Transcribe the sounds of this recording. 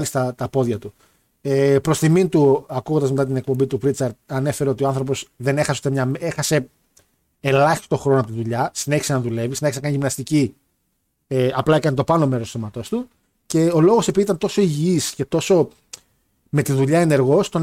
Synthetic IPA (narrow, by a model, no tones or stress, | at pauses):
list̪ɐt̪ɐpo̞ðʝɐt̪u | epɾo̞st̪imint̪uɐkuɣond̪ɐzme̞t̪ɐt̪ine̞k̚pombit̪uvɾit͡sɐɾt̪̚ɐne̞fe̞ɾeo̞t̪ioɐnθɾo̞p̬o̞sðe̞nexɐseot̪emɲɐmexɐse̞ː | lɐçi̥st̪oxɾo̞noɐpot̪inðuʎɐsineçi̥senɐðule̞visineçisnɐkɐnʝimnɐst̪ici | eɐplɐekɐnit̪o̞pɐnome̞ɾost̪oθomɐt̪o̞st̪u | ce̞o̞lo̞ɣosepiðit̪ɐnt̪o̞so̞iʝiisce̞t̪o̞so̞ | me̞t̪iðuʎɐene̞ɾɣo̞st̪o̞n